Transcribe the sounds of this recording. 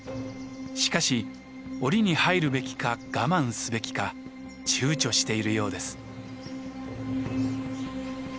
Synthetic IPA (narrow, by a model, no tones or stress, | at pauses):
ɕi̥kaɕi | o̞ɾʲiɲ̟ihaiɾɯ̟be̞kʲi̥kaɡ̥amãɰ̃sɨbe̞kʲi̥ka | t͡ɕɨːt͡ɕo̞ɕi̥t̪e̞iɾɯ̟jo̞ːd̪e̞sɨ̥